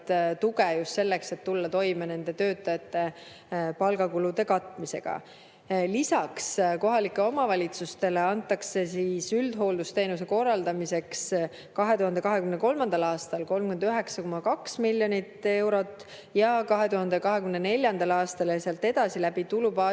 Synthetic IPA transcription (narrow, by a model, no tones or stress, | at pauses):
t̪t̪uɡejust̪se̞lːe̞kset̪ːulːɑt̪o̞jmene̞nd̪e̞t̪ø̞ːt̪ːˑɑjɑt̪ːe̞ | pɑlɡ̥ɑkulud̪e̞kɑt̪ːˑmise̞̰ɡ̥ɑ̰ | lisɑksko̞ɦɑlikːˑe̞o̞mɑvɑlʲit̪sust̪e̞le̞ɑnt̪ːˑɑkse̞siːsyld̪̥ɦo̞ːld̪ust̪e̞ːnuse̞ko̞rːɑld̪ɑmise̞ks | kɑɦe̞t̪uhɑnd̪̥ekɑɦe̞kymneko̞lmɑnd̪̥ɑlɑːst̪ɑlko̞lmɡyend̪yɦe̞ksɑko̞mɑkɑksmilʲːjo̞nʲit̪ːˑe̞wɾo̞t̪ːˑ | jɑkɑɦe̞t̪uɦɑnd̪ekɑɦe̞kymnene̞lʲjɑnd̪̥ɑlɑːst̪ɑleseɑlt̪ːe̞d̪̥ɑsilæbit̪ulubɑ